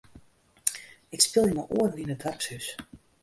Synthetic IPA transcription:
ɪkspɪlˠjəmaʔṵərninət̚dʋarpshys

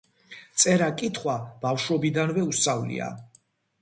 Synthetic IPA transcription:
t̪sʼɛɾakʼit̪ʰχwab̥afʃɔbid̪anvɛust̪ʼavlḭa̰

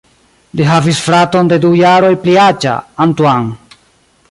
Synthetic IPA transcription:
liɦavisfɾato̞nde̞dujaɾo̞jpliat͡ʃa̰ːntuaŋ

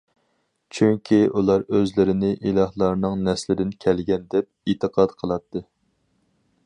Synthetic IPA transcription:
t͡ʃʰyŋkʲʰiʔulˠɑɾøzlɪɾɪnɪʔilˠɑhlˠɑɾnɨŋnɛslɪd̪ɪnkʲʰɛlɡʲɛnd̪ɛp̚it̪ʰɨqʰɑd̪qʰəlˠɑt̪ʰːɨ

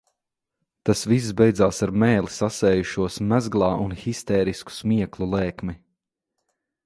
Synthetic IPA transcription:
t̪asvis̬zbɛjd̪zaːsaɾmɛːlisasɛːjuʃuɔsmæzɡlˠɑːʔunxist̪ɛːɾisku̥smiɛklˠulˠɛːkmi

